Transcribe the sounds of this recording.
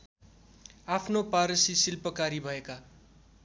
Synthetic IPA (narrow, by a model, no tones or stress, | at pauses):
apʰnopaɾʌsisilpʌkaɾibʱʌeka